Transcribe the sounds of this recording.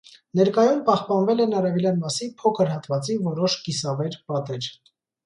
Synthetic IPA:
nɛɾkɑjumpɑhpɑnvɛlɛnɑɾɛvɛljɑnmɑsipʰɔkʰəɾhɑt̪vɑt͡sivɔɾɔʃkisɑvɛɾpɑt̪ɛɾ

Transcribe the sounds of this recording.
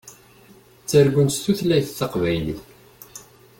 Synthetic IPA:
t͡sːəɾɡʷʊnst̪uθlæjθθəqvæjliθ

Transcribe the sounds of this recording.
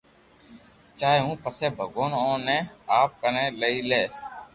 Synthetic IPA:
t͡ʃaːeɦũːpəseːbʱəɡoːnõːnẽːaːp̚kənẽːləiːleː

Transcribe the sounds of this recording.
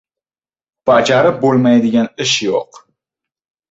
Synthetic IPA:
b̥ɑd͡ʒɑɾɪp̚bolˠmajd̪ɪɡʲanɪʃjo̰q

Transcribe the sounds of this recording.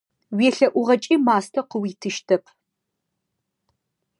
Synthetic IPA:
weːɬɐʔʷʊʁɐt͡ʃʼiːmaːstʰɐqəwiːtʰɨʃtʰɐpʰ

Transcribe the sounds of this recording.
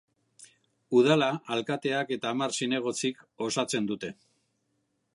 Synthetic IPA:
uð̞alaalkat̪e̞ake̞t̪aːmarsine̞ɣ̞o̞t͡siko̞sat͡se̞nd̪ut̪e̞

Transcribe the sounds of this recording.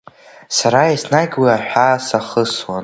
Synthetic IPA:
saɾaisnaɡʲwiaħʷᶣasaχəswan

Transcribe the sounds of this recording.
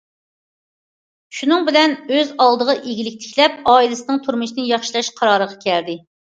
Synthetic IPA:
ʃunɨŋbɪlɛnøzɑlˠd̪əʁɑʔeɡʲilɪk̚ʲt̪ʰɪ̥kʲlɛpɑːilɪsɨnɨŋt̪ʰuɾmɨʃnɪjɑχʃilˠɑʃqʰɑɾɑːɾəʁɑkʲʰɛld̪ɪ

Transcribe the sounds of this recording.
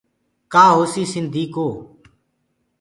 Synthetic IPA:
kaːɦoːsiːsɪnd̪ʱiːkoː

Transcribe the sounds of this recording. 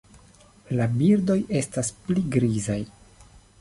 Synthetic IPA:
labiɾdo̞je̞staspliɡɾizaj

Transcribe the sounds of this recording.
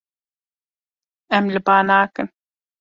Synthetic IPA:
æmləpaːnaːkən

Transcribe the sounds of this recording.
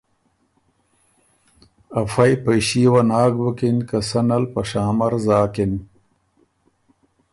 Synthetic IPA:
ɐfɐjpɐjɕiːwɐnaːɡwukinkɐsɐnɐlpɐʂaːmɐɾzaːkin

